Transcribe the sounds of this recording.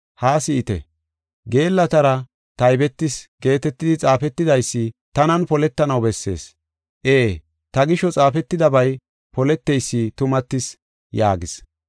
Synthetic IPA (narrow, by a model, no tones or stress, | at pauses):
haːsɪɪt̪ɛ̰ | ɡe̞ːlːɐt̪ɐɾɐ | t̪ɐjbɛt̪ːɪsɡ̥e̞ːt̪ɛt̪ːɪd̪ɪt͡sʼaːfɛt̪ːɪd̪ɐjsːɪt̪ɐnɐnpɔlɛt̪ːɐnɐwbɛsːe̞̰ːs | ʔeː | t̪ɐɡɪʃɔt͡sʼaːfɛt̪ːɪd̪ɐbɐj | pɔlɛt̪ːɛjsːɪt̪ʊmɐt̪ːɪs | jaːɡɪs